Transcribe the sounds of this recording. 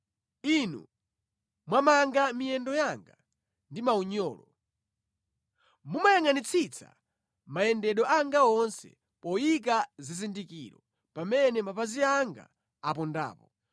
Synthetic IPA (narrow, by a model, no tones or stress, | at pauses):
inṵ | mwamaŋɡamijɛndɔjaŋɡa | ndimauɲɔːlɔ | mumajaŋanit͡sʰit͡sʰa̰ | majɛndɛɗɔʔaŋɡaɔnsɛ̰ | pɔjik̬azizindikḭːɾɔ | pamɛnɛmapaziaŋɡa̰ː | p̬ɔnda̰ːpɔ